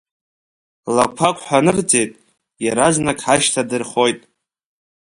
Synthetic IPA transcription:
lakʷʰakʷʼħʷᶣanɨrd͡ze̞jtʼ | jaɾaznakʼħaʃtʰadɨrχo̞jtʼ

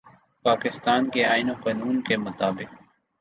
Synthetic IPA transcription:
paːkɪst̪aːnkeaːɪnoːkaːnuːnkeːmʊt̪aːbɪk̚

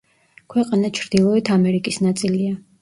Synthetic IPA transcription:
kʰwɛqʼanat͡ʃʰɾd̪ilˠɔɛt̪ʰamɛɾikʼisnat̪sʼilia

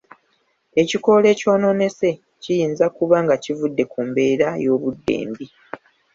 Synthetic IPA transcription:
e̞ciko̞le̞ːco̞ːno̞ne̞se̞ | cijiːnzakuβaŋɡacivudːe̞kumbe̞ːɾajo̞ːβudːe̞̰ːmbi

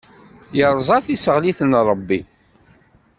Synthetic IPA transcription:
jəɾˤzˤɑθisəʁliθənɾˤəbːi

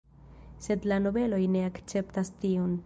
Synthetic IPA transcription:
se̞dlano̞be̞lo̞jne̞akt͡se̞ptastio̞n

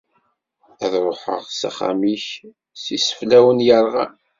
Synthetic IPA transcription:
æðɾˤoħə̰ʁsæ̰χæ̰miç | sisə̥flæwənjəɾˤʁa

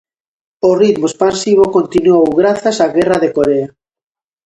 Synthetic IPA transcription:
orit̪moespansiβ̞okont̪inuowɣɾaθasaɣɛraðekoɾea

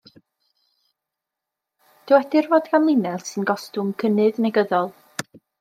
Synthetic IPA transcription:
d̥ɪwɛdɪrvoːdɡanlˠɪnɛlˠsɨnɡɔstʊmkʰənɨðnɛɡəðɔlˠ

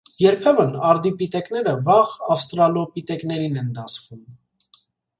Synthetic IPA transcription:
jɛɾpʰɛmənɑɾd̪ipit̪ɛkn̪ɛɾəvɑʁɑfst̪ɾɑlɔpit̪ɛkn̪ɛɾinɛnd̪ɑsvum

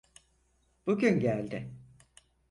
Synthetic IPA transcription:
b̥uɟʲynɟælʲd̪ɪ

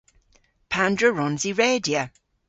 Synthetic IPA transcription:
pʰandɹəɹɔnziɹeːdjə

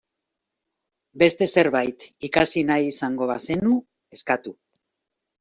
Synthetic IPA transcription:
be̞st̪e̞se̞ɾβajt̪ikasinajisaŋɡo̞βase̞nu | e̞skat̪u

